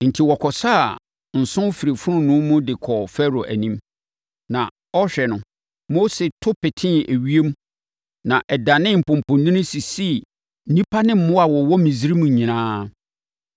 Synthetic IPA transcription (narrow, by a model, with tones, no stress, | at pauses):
n̩˨tʰi˨wɔ˨kʰɔ˨saː˦˨ | n̩˨sʊ̃˦fi˨ɾe˨fʊ˦ɾʊ̃˦nʊ̃˦mʊ̃˦dɪ˨kʰɔ˨fɛ˦ɾo˨ʔæ̰˨nĩ˦m | nã˨ | ɔ˦ɕᶣɛ˨nʊ̃˨ | mo˦se˨tʰʊ˦pɪ˨tʰɪ̃˦næ˨ɥi˦e˦m˦ | nã˨ʔɛ˨da˨nɪ̃˦m̩˨pʊ̃˨m˨pʊ̃˨nnĩ˦nʊ̃˦si˨si˦ | nĩ˦pʰa˦nɪ̃˦m̩˦mʊ̃˦a˨wɔ˨wɔ˦mĩ˨zi˦ɾi˦mũ˨ɲĩ˨nãː˦